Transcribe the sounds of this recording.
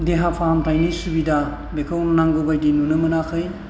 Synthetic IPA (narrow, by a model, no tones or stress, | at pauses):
deɦapʰamtʰajnisubida | bekʰawnnaŋɡobajdinunɯmɯnakʰɯj